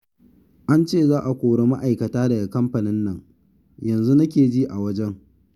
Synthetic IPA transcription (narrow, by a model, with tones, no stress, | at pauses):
ʔa˦nt͡ʃeː˦˨zaː˦ʔa˨kʷoː˨ɽe˦ma˦ʔa˨jkɐ˨taː˦dɐ˨ɡa˨kɐ˦mɸɐ˨nɪ˦nːɐ˦˨ŋ | jɐ˨nzu˦na˦k̬ʲeː˨d͡ʒiː˦ʔa˨wɐ˦d͡ʒɛ˦ŋ